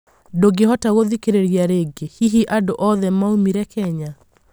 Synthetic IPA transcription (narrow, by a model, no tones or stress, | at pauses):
doɡeɦɔtaɣoðikeɾeɾjaɾeɡehiɦiʔadoʔɔðɛmaumiɾɛkɛɲa